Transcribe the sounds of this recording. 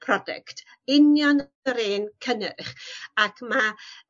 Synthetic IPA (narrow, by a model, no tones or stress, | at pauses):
pʰrɔdɛ̰ktʰ | ɪnjɔn | əɾeːnkʰənɪrχakʰma